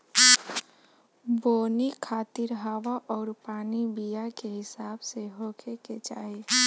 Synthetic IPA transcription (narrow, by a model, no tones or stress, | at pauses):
boːnikʰaːt̪ɪɾɦaːʋaʔɔːɾpaːnibijakeɦɪsaːbseɦoːkʰeket͡ʃa̰ːɦe